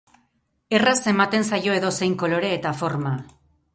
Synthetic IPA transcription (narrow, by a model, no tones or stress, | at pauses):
e̞rase̞mat̪e̞nsajo̞e̞ðo̞se̞jŋko̞lo̞ɾe̞ːt̪afo̞ɾma